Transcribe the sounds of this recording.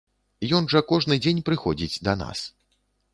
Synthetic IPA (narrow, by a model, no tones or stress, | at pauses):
jɔnʐɐkɔʐnɨd͡zʲenʲpɾɨxɔd͡zʲit͡sʲd̪ɐna̰s